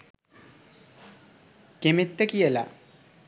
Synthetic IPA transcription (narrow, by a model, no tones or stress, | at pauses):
kemit̪ːəkijəla̰